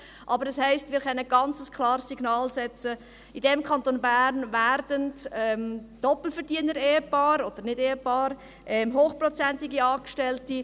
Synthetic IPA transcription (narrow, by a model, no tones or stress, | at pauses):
ʔɑbəɾɛshæɪstmɪːɾχœnəɡ̥ɑnt͡səskʰlɑːɾsːiɡnɑːlsɛt͡sə | idɛmkʰɑntoːnbæːɾnvæɾdəntɛmd̥ɔpl̩fəɾdiənəɾeːəpɑːɾod̪̥əɾnɪdeːəpɑːɾ | ʔɛmɦoːχprɔt͡sɛntɪɡiɑːkʃtɛlti